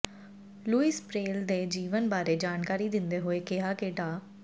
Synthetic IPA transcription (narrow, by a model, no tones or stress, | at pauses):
luːɪspɾeːld̪eːd͡ʒiːʋənbaːɾeːd͡ʒaːnkaːɾiːd̪ɪnd̪eːɦoːeːkɪɦaːkeːʈaː